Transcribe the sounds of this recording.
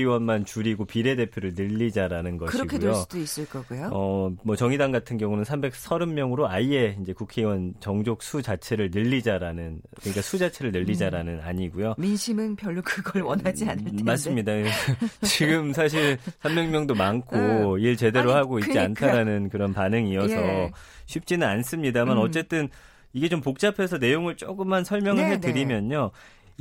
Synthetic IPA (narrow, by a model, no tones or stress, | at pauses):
iwʌnmant͡ɕuɾiɡopiɾe̞de̞pʰjoɾɯɭnɯʎːid͡ʑaɾanɯnɡʌɯiɡkʰeejeossudois͈ɯɭk͈ʌɡujoʌmʌt͡ɕʌŋidaŋɡatʰɯnɡjʌŋunɯnsʰambe̞k̚sʰʌɾɯmmːjʌŋɯɾoaie̞ind͡ʑe̞kukʰe̞iwʌnt͡ɕʌŋd͡ʑok̚sʰud͡ʑat͡ɕʰe̞ɾɯɭnɯʎːid͡ʑaɾanɯnkɯɲik͈asʰud͡ʑat͡ɕʰe̞ɾɯɭnɯʎːid͡ʑaɾanɯna̰ɲiɡujominɕʰimɯnpjʌɭːukɯɡʌɭwʌnad͡ʑianɯɭmaɭs͈ɯmɲidat͡ɕiɡɯms̬ʰaɕ̬ʰiɭsʰambeŋmjʌŋdomankʰoiɭt͡ɕe̞de̞ɾohaɡoit̚t͡ɕiantʰaɾanɯnkɯɾʌnpanɯŋiʌsʰʌɕʰɥip̚t͡ɕ͈inɯnans͈ɯmɲidamanʌt͡ɕ͈e̞t͈ɯn | iɡet͡ɕompok̚t͡ɕ͈apʰe̞s̬ʰʌne̞joŋɯɭt͡ɕ͈oɡɯmːansʰʌɭmjʌŋɯɭɦetɯɾimjʌɲo